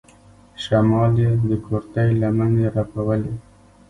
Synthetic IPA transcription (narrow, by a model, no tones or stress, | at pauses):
ʃamɑled̪əkoɾt̪ajlamaneɾapawəle